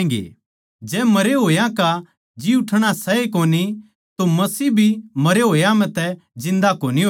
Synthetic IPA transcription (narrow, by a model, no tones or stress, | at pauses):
ɡḛː | d͡ʒɛːmɐɾeɦoːjãka | d͡ʒiʊʈʰɽ̃asɛekoːni | t̪omɐsiːbʱimɐɾeɦoːjãmɛ̃t̪ɛd͡ʒɪ̃nd̪akoːniɦo